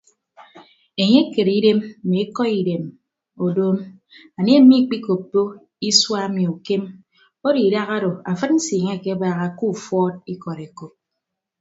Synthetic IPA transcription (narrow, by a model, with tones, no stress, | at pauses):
e˨ɲe˦ke˨ɾi˦de˦m̩˨e˨e˦kɔ˦i˨de˨m | o˨doː˦m | a˨n˦e˦m̩˦mi˦˨k͡pi˦ko˨p̚do˦ | i˦swa˦mi˨u˨ke˦m | o˦ɾi˨da˦ɣa˦ɾo˨a˨fɨ˦t̚n̩˦si˨ŋe˦a˨ke˦baː˦ɣa˦ku˦˨fɔ˦t̚i˦kɔ˨ɾe˨ko˨p̚